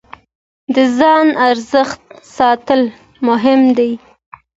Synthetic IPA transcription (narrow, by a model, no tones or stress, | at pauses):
d̪əzɑnaɾzəxt̪̚sɑt̪əl | mʊɦɪmd̪aj